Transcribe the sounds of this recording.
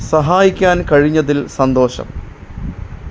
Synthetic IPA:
sɐɦaːjikʲːaːnkɐɻiɲːɐðilsɐnd̪o̞ːɕɐ̰m

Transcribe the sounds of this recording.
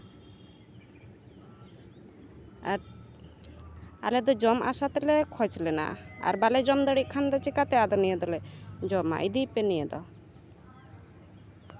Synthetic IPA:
a | a̰lɛd̪ɔd͡ʒɔma̰sat̪ɛlɛkʰɔjt͡ʃʰlɛna̰a̰ɾbalɛd͡ʒɔmd̪əɽiʔkʰand̪ɔt͡ʃikat̪ɛad̪ɔnijɛd̪ɔlɛd͡ʒɔma̰ʔid̪ipɛnijɛd̪ɔ̰

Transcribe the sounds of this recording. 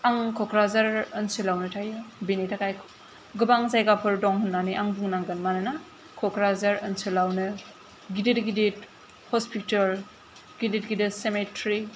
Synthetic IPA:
aŋkʰɔkʰɾazaɾɯnsɯlawnɯtʰajɯbinitʰakajkʰ | ɡɯbaŋzajɡapʰɯɾdɔŋhunːaniʔaŋbuŋnaŋɡɯnmanɯna | kʰɔkʰɾazaɾɯnsɯlawnɯ | ɡiditɡidit | hɔspitɐɾ | ɡidit̚ɡidisemetɾi

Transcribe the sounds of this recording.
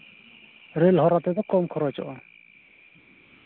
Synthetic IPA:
ɾelɦɔɾat̪ɛd̪akɔmkʰɔɾɔt͡ʃɔ̰ʔɔ

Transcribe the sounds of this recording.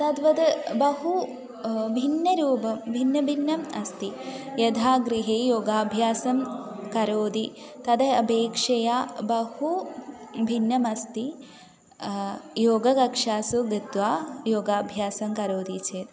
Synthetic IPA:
t̪ɐd̪ʋɐd̪ɐbɐɦu | bʱinjɐɾuːbɐmbʱinjɐbʱinːjɐmɐst̪ijɐd̪ʱaːɡɾiɦeːjoːɡaːbʱjaːsɐmkɐɾoːd̪it̪ɐd̪ɐɐbeːkʂɐjaːbɐhu | bʱinjɐmɐst̪i | joːɡɐkɐkʂaːsuɡit̪ʋaːjoːɡaːbʱjaːsɐmkɐɾoːd̪it͡ʃeːt̪

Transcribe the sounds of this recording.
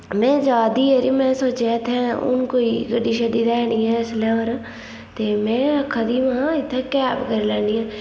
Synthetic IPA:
mɛ̃ːd͡ʒaːd̪iːeɾimɛ̃ːsoːt͡ʃet̪ʰɛ̃ːʊ̰nkoːiːɡəɖiːʃaːd̪id̪ɛːniːɛ̃ːɪslɛ̃ːəɾ | t̪eːmɛ̃ːəkʰːaːd̪iːʋãɪt̪ʰːẽːkɛːpkəɾeːlɛːniːãː

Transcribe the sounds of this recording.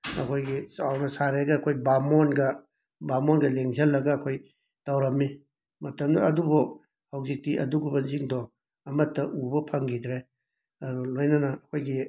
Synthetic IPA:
ɐ̰kʰojɡisawnɐsaɾeɡɐːkʰojbamɔnɡɐ | bamɔnɡɐleŋzɐlːɐɡɐːkʰoj | tawɾɐmːi | mɐtɐmdɐɐdubɔ | hawzik̚tiʔɐ̰duɡubɐnziŋdɔ | ɐmɐtːɐʔubɐpʰɐŋɡidɾe | ɐɾulojnɐnɐɐkʰojɡi

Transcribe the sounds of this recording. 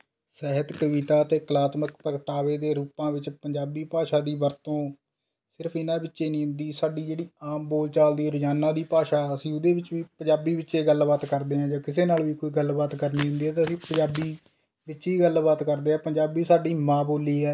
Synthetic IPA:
sɛɦət̪kəʋiːt̪aːt̪eːkəlaːt̪məkpəkʈaːʋeːd̪eːɾuːpãːʋɪt͡ʃpəɲd͡ʒaːbiːpaːʃaːd̪iːʋəɾt̪õː | sɪɾpʰɪnãːbɪtːʃeːnĩːɦʊ̃nd̪iːsaːɖiːd͡ʒeːɽiːaːmboːlt͡ʃaːld̪iːɾd͡ʒaːnãːd̪iːpaːʃaːəsĩːʊd̪eːbɪt͡ʃʋiːpəd͡ʒaːbiːbɪtːʃeːɡəlbaːt̪kəɾd̪eːɦãːd͡ʒãːkɪseːnaːlʋiːkoːiːɡəlbaːt̪kəɾniːɦʊ̃nd̪iːɛːt̪eəsĩːpəɲd͡ʒaːbiː | bɪt͡ʃːt͡ʃiːɡəlbaːt̪kəɾd̪eːɛːpəɲd͡ʒaːbiːsaːɖiːmãːboːliːɛː

